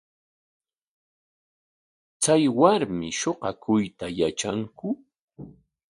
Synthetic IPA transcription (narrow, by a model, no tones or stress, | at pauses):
t͡sajwaɾmɪʃoqɑkʊjt̪ajat͡ʃaŋkʊ